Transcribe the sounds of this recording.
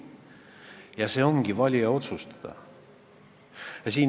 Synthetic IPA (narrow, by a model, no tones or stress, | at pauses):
jɑse̞ːo̞ŋɡ̥ivɑlʲijɑo̞t̪sust̪ɑ̥d̪̥ɑ̰ | siːn